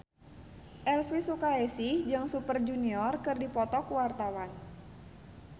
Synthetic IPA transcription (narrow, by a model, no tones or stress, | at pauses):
ʔɛlfisukaesihd͡ʒɨŋsupərd͡ʒuniɔrkɨrdipɔt̪ɔkuwart̪awan